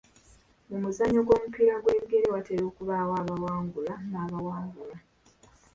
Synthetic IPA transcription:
mumuzaɲoɡo̞ːmupiɾaɡwe̞ːβiɡe̞ɾe̞wateɾoːkuβaːwaːβawaːŋɡulanaːβawaːŋɡula

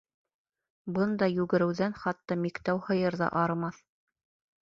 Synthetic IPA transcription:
bɤnd̪ɑjʉɡɘ̆ɾɘ̆wðænχɑt̪ːɑmikt̪æwhɤ̆jɤɾðɑ̰ʔɑɾmɑθ

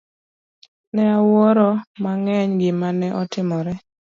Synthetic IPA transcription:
nɛawɔɾɔmaŋɛɲɡɪmanɛʔɔtɪmɔɾɛ

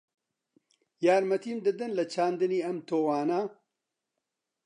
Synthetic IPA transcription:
jaːɾmɐt̪ʰiːmd̪ɨd̪ɨnlɐt͡ʃʰaːnd̪ɨniːɐmt̪ʰoːwaːnaː

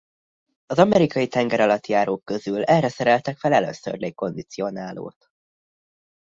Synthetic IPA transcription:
ɒzɒmɛɾikɒjit̪ɛŋɡɛɾɒlɒt̪jaːɾoːkkø̞zylɛrɛsɛɾɛlt̪ɛkfɛlɛlø̰sø̰rlejko̞nd̪it̪sio̞naːlo̰ːt̪

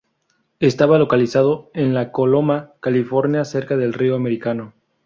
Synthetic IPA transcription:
e̞st̪aβalo̞kalisaðo̞enlako̞lo̞makalifo̞ɾnjase̞ɾkaðe̞lrioameɾikano̞

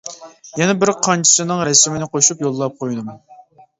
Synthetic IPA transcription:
jɛnɛbɪɾqʰɑnt͡ʃʰi̥sɨnɨŋɾɛsɪmɪnɪqʰoʃupjolˠːɑp̚qʰojd̪ɨm

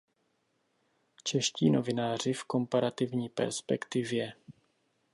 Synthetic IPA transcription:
t͡ʃɛʃcḭːnovɪnaːr̝ɪfko̞mpaɾat̪ɪvɲiːpɛ̰ɾspɛkt̪ɪvjɛ

